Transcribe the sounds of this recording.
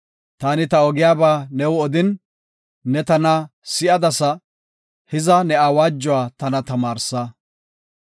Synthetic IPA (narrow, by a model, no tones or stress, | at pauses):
t̪aːnɪt̪ɐɔɡɪjaːbaːnɛwɔd̪ɪnː | ɛt̪ɐnɐsɪʔɐd̪ɐsɐ | hɪzɐnɛaːwaːd͡ʒːɔwaːt̪ɐnɐt̪ɐmaːɾsɐ